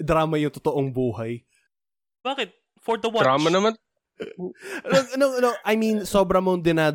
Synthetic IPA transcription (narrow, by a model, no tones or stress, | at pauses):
d̪ɾaːmɐjʊŋt̪ot̪oʔoŋbuːhɐj | b̥aːkɪt̪̚ | fɔɹd̪ɐwaɾaːmɐnɐman | nonoŋnoʔɐjminso̞ːbɾɐmoŋd̪ɪnaːd̪